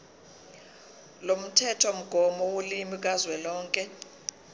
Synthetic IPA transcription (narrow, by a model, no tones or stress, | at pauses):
lom̩tʰɛtʰɔm̩ɡ̥ʱɔmɔwulimik̬ʼazwɛlɔːŋkʼɛ